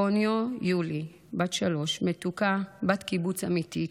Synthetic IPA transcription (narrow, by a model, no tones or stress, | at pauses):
onjojuli | batʃalo̞ʃmetukabatkibut͡samit̪i